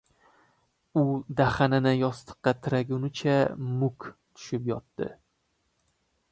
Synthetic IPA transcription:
ʊd̪aχanɪnɪjɒst̪ʰɨ̥qːɑt̪ʰɪɾaɡʲʊnɪt͡ʃʰamʊkt̪ʰʊ̥ʃɪpjɒt̪ːɪ̰

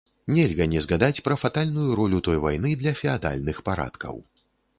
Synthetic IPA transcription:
nʲɛlʲɣɐnʲɛzɣad̪at͡sʲpɾɐfat̪alʲnujuɾɔlʲut̪ɔjvajnɨd̪lʲɐfʲɛad̪a̰lʲnɨxpaɾa̰t̪kɐ̰w

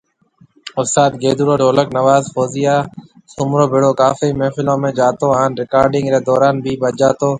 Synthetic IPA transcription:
ʊft̪aːt̪̚ɡeːd̪uːɾoːɖʱoːləknəʋaːzfoːzɪjaː | sʊmɾoːbʱɪɽoːkaːfiːmẽːfɪlõːmẽːd͡ʒaːt̪oːaːnɾɪkaːɾɖɪ̃ŋɡɾeːd̪ɔːɾaːnbʱiːbəd͡ʒaːt̪oː

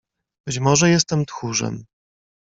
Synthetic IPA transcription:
b̥ɘt͡ɕmɔʐɛjɛst̪ɛmt̪xuʐɛ̰m

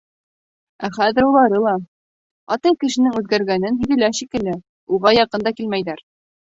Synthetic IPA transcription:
æχæðɘ̆ɾulˠɑɾɤlˠɑ | ɑt̪ɑjkɘ̆ʃɘ̆nɘŋʉðɡæɾɡænɘnɦɵ̆ðɘ̆læʃikɘ̆lɘ | uʁɑjɑqɤnd̪ɑkilmæjðæɾ

